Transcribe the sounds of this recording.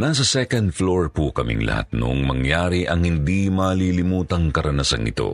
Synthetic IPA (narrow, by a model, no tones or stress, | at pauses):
naːs̬ɐsɛkɐnd̪̚floɹpukɐmḭŋlɐ̰ha̰t̪̚no̰ŋmɐŋjaːɾiʔɐŋhɪnd̪imɐliːlɪmuːt̪ɐŋkɐɾɐnasɐŋʔɪ̰t̪o̞̰